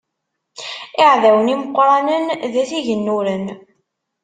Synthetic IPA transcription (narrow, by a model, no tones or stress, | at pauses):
ɪʕðæwəniməqːɾˤɑnənðæθiʝənːuɾən